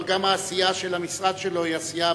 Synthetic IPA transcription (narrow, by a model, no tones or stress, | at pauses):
ɡamaːsijaʃelamisʁad̪ʃelo̞iasija